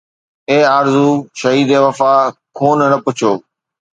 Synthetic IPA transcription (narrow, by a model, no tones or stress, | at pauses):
eːaːɾzuːʃəɦiːd̪eːʋɐfaːkʰoːnnəpʊt͡ɕʰoː